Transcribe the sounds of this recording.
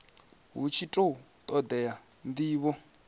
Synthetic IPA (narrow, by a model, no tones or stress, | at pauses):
ɦut͡ʃʰitʼou | t̪ʼɔd̪ɛja | nd̪iːβɔ